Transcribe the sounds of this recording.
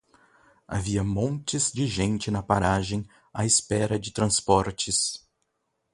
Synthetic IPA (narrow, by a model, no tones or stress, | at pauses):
a̰viɐmõnt͡ʃɪzd͡ʒɪʒẽnt͡ʃɪnɐpaɾaʒẽj̃ | aɪspɛɾɐd͡ʒɪt̪ɾɐ̃spɔɾt͡ʃɪs